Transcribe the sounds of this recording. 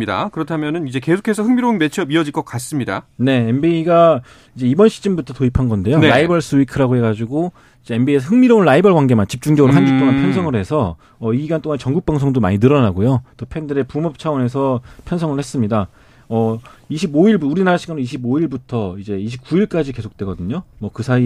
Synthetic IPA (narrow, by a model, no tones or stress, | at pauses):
ida̰kɯɾʌtʰamjʌnɯnid͡ʑe̞ke̞sʰo̥kʰe̞sʰʌhɯŋmiɾonme̞t͡ɕʰiʌbiʌd͡ʑiɭk͈ʌk͈as͈ɯmɲida̰ne̞enbiiɡa | id͡ʑe̞ibʌnɕʰi̥d͡ʑ͈imbutʰʌtoipʰanɡʌnde̞joɾaibʌɭs͈ʰɯikʰɯɾɦaɡoɦe̞ɡad͡ʑiɡo | id͡ʑe̞embiesʰʌɦɯŋmiɾoɭːaibʌɭɡwaŋɡe̞mant͡ɕip̚t͡ɕ͈uŋd͡ʑʌɡɯɾoɦand͡ʑut͈oŋanpʰjʌnsʰʌŋɯɭhe̞sʰʌ | ʌiɡiɡant͈ʰoŋanet͡ɕʌŋɡuk̚p͈aŋsʰʌŋdoma̰ɲinɯɾʌnaɡojot͈opʰe̞ndɯɾe̞pumʌp̚t͡ɕʰawʌne̞sʰʌpʰjʌnsʰʌŋɯɭhe̞s͈ɯmɲida | ʌiɕʰiboiɭbuuɾinaɾaɕʰiɡanoniɕʰiboiɭbutʰʌid͡ʑe̞iɕʰip̚k͈uiɭk͈ad͡ʑike̞sʰok̚t͈we̞ɡʌdɯɲomʌkɯsʰai